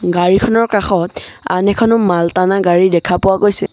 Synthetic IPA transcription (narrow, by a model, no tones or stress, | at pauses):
ɡaɹikʰɔnɔɹkaxɔta̰nɛkʰɔnʊmaltanaɡaɹidɛkʰapʊwaɡojsɛ